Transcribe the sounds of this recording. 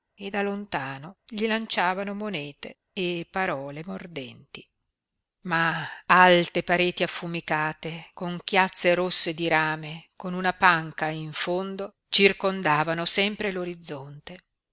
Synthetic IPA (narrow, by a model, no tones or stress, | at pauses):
ed̪alːont̪aːnoʎilant͡ʃaːvanomonɛːt̪e | epːaɾɔːlemord̪ɛnt̪i | maalt̪epaɾeːt̪iafːumikaːt̪ekoŋkjat̪sːeɾosːed̪iɾaːmekonunapaŋkaiɱfond̪o | t͡ʃirkond̪aːvanosɛmpɾeloɾid̪zːont̪e